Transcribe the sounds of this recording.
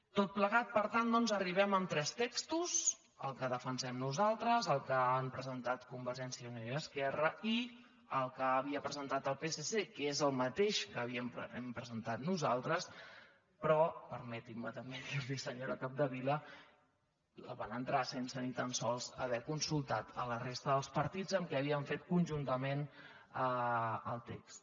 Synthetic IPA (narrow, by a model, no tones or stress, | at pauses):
t̪ot̪̚pləɣat̪̚pəɾt̪and̪ɔnzəriβ̞ɛməmt̪ɾɛst̪ekst̪uz | ə̰lˠkəðəfənsɛmnuzalˠt̪ɾəzəlˠkəampɾəzənt̪at̪kumbəɾʒɛnsiəunoəskɛrəi | əlˠkəːβiəpɾəzənt̪at̪əlˠpesesekezəlˠmət̪eʃkəβiəmɛmpɾəzənt̪at̪nuzalˠt̪ɾəs | pɾɔpəɾmɛt̪imːət̪əmbeaðisəɲoɾəkap̚d̪əβilə | lə̰βanənt̪ɾasensənit̪ənsɔlˠzə̰βɛkunsulˠt̪at̪ʰə̰lərest̪əðəlˠspəɾt̪id͡zəmkɛːβiəɱfet̪kunʲʒunt̪əmen | əəlˠt̪ekst̪